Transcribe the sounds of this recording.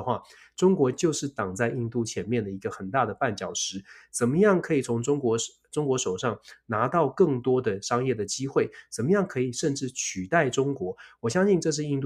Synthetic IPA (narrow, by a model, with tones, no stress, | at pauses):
xwa˥˩ | ʈ͡ʂʊ˥ŋkwɔ˧˥t͡ɕjo˥˧ʊʂɻ̩˥˩t̪ɑ˨˩ŋt͡sa˥˧ɪi˥˧nt̪u˥˩t͡ɕʰjɛ˧˥nmjɛ˥˩nd̪ə˩i˧˥ɡə˧xə˨˩nt̪a˥˩d̪ə˩pa˥˩nt͡ɕjɑ˨˩ʊʂɻ̩˧˥t͡sə˨˩nmə˦jɑ˥˩ŋkʰɤ˧˥i˨˩t͡sʰʊ˧˥ŋʈ͡ʂʊ˥ŋkwɔ˧˥ | ʈ͡ʂʊ˥ŋkwɔ˧˥ʂo˨˩ʊʂɑ˥˩ŋna˧˥t̪ɑ˥˧ʊkɤ˥˩ŋt̪wɔ˥d̪ə˨ʂɑ˥ŋjɛ˥˩d̪ə˩t͡ɕi˥xwe˥˩ɪt͡sə˨˩nmə˦jɑ˥˩ŋkʰɤ˧˥i˨˩ʂə˥˧nʈ͡ʂɻ̩˥˩t͡ɕʰy˨˩t̪a˥˩ɪʈ͡ʂʊ˥ŋkwɔ˧˥wɔ˨˩ɕjɑ˥ŋɕi˥˧nʈ͡ʂɤ˥˧ʂ̬ɻ̩˥˧i˥˧nt̪